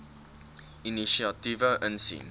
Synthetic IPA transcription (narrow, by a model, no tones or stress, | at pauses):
iniʃiɑtivəʔənsḭn